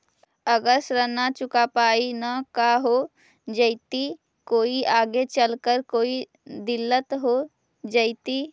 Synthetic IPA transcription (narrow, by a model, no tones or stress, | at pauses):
əɡəsɾənat͡ʃʊkapaːinakaɦo | d͡ʒəɪt̪i | koːiʔaːɡet͡ʃəlkəɾkoːi | d̪ɪlːət̪ɦo | d͡ʒəɪt̪i